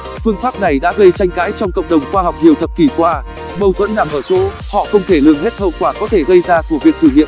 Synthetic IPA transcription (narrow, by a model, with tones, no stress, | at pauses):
fɨ˧əŋfaː˦˥p̚na˨˩jɗa̰ː˧˥ɣə˧jt͡ɕa˧jŋ̟kaː˨˦jt͡ɕɔ˧wŋ͡mkə̰˧˨wŋ͡mɗə˨˩wŋ͡mxwaː˧ɦa˨˩wk͡p̚ɲi˨˩əwt̪ʰə˨˩p̚ki˧˩kwaː˧ | ɓə˨˩wt̪ʰwə̰˧˥nːaː˨˩mʔəː˧˩t͡ɕo̰˧˦˥ | hɔ̰˧˨xə˧wŋ͡mt̪ʰe˧˩lɨ˨˩əŋɦe˦˥t̚hə̰˧˨wkwaː˧˩kɔ˨˦t̪ʰe˧˩ɣə˧jzaː˧ku˧˩əvi˨˩ək̚t̪ʰɨ˧˩ŋḭ˧˨n